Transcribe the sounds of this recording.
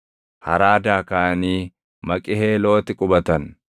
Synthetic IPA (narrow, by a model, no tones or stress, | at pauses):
hɐ̰ɾaːd̪aːkaːniː | mɐkʼɪheːlo̞ːt̪ɪkʼʊbɐt̪ɐn